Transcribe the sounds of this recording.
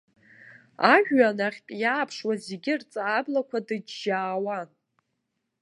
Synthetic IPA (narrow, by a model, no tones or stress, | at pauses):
aʒᶣanaχʲpʼjaːpʰʂwazeɡʲɪrt͡sʼaːblakʷʰadɨd͡ʒːaːwa